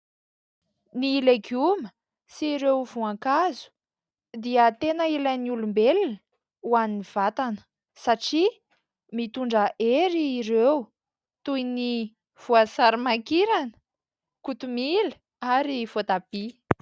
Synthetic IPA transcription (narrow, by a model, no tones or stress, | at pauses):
nilekumə̥ | siɾewvuaŋkazu̥ | d̪iət̪enəilaniulumbelinə | uaniniv̥at̪anə̥ | saʈ͡ʂi | mit̪uɳɖ͡ʐəʔeɾiːɾew | t̪ujni | v̥uasaɾimakiɾanə̥ | kut̪umilə | aɾiv̥ot̪ab̥i